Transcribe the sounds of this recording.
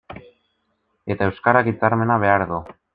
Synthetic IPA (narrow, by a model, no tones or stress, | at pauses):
e̞t̪ae̞wskaɾakit͡saɾme̞naβe̞aɾðu